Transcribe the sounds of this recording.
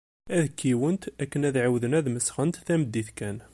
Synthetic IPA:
æðkːiwənt̪ækːənæðʕawðənæðməsʁənt̪θæmd̪ːiθkæn

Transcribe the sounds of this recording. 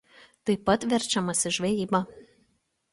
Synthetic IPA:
t̪ɐɪpɐt̪ʋʲɛɾʲˑt͡ʃʲɛmɐsʲɪʒʲʋʲɛjiːbɐ

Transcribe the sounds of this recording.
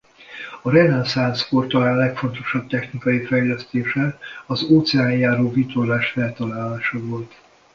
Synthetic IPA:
ɒɾɛnɛnsansfort̪ɒalɛkfo̞nt̪o̞ʃɒb̚t̪ɛxnikɒjifɛjlɛst̪eːʃɛɒzoːt̪sɛaːjjaːɾoːvit̪olaːʃfɛlt̪ɒlaːlaːʃɒvo̞lt̪

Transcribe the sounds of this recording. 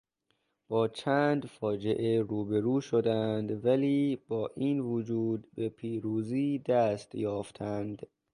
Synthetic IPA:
b̥ɒːt͡ʃʰæːnd̪fɒːd͡ʒe̞ʔeɾuːbe̞ɾuːʃod̪ænd̪væliːb̥ɒːʔiːnvod͡ʒuːd̪bepʰiːɾuːziːd̪æst̪jɒːft̪ʰænd̪

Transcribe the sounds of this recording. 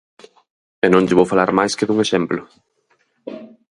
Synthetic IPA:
enõŋd͡ʒeβowfalaɾmajskeðuŋeʃɛmplʊ

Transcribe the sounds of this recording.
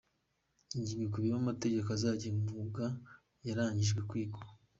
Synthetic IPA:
iɲɟiːŋɡekuβiβamate̞ɟekazaːɟimuɡa | jaɾaːɲiʒɡwekwiːɡo

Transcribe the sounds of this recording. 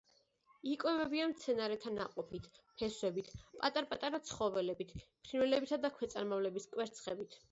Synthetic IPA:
ikʼwɛvɛbiamt̪sʰɛnaɾɛt̪ʰanaqʼɔpʰit̪ʰpʰɛswɛbit̪ʰpʼat̪ʼaɾpʼat̪ʼaɾat̪sʰχɔvɛlɛbit̪ʰpʰɾiɾvɛlɛbit̪ʰad̪akʰwɛt̪sʼaɾmavlɛbiskʼwɛɾt̪sʰχɛbit̪ʰ

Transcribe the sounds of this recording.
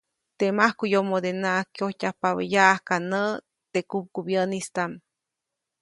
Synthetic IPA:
t̪emahkujomod̪enaʔkjohtʲahpaβə̰jaʔahkanə | t̪ekup̚kubjənist̪am

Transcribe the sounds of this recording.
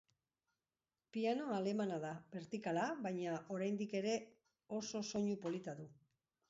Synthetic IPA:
piano̞ale̞manaðabe̞ɾt̪ikalaβajɲaʔo̞ɾajnd̪ike̞ɾe̞ | o̞so̞so̞ɲupo̞lit̪aðu

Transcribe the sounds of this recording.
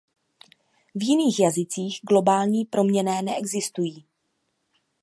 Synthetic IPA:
vjɪniːxjazɪt͡siːɣɡlo̞baːlɲiːpɾo̞mɲɛnɛːnɛʔɛɡzɪst̪ujiː

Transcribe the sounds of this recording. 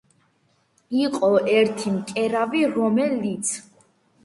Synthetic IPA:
iqʼɔʔɛɾt̪ʰimkʼɛɾaviɾɔmɛlit̪sʰ

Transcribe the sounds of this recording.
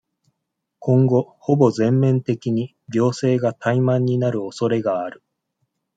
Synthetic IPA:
kʰõ̞ŋɡo̞hobo̞zẽ̞mːẽ̞nt̪e̞kʲiɲ̟i | ɡʲo̞ːse̞ːɡat̪ʰaimãɲ̟ːinaɾɯ̟o̞so̞ɾe̞ɡaaɾɯ̟

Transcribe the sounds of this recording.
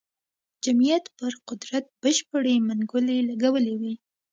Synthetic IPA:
d͡ʒamijat̪pəɾqʊd̪ɾat̪̚b̥əʃpəɽemaŋɡʊlelaɡawəlewi

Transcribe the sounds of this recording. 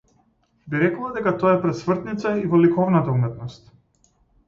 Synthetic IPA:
biɾɛklˠad̪ɛkat̪ɔaɛpɾɛt̪smr̩t̪nit̪saivɔlikɔvnat̪aumɛt̪nɔst̪

